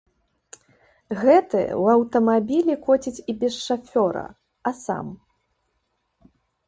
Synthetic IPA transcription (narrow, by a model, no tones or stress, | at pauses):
ɣɛt̪ɨɛ̰wɐwt̪ɐmabʲilʲikɔt͡sʲit͡sʲibʲɛsʂafʲɔɾɐ̰ | ɐsa̰m